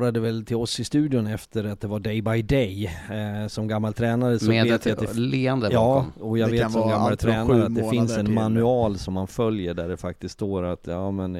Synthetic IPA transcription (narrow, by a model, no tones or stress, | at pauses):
ɾad̪əvɛlt̪ʰɪlɔsɪst̪ʉ̟ːd̪ɪʊnɛft̪ʰəɾat̪̚d̪ɛvaɖɛjbajd̪ɛj | sɔmɡamːalt̪ʰɾɛːnaɾəsɔeet̪aat̪dɛleːand̪əjɑːmɔjɑːɡveːt̪ːsɔmɡamːalt̪ʰɾɛːnaɾat̪d̪ɛfɪnsɛnmanʉɑːlsɔmːanfœljəɖæɖɛfak̚t̪ɪsk̪st̪oːɾat̪ʰjɑːmɛn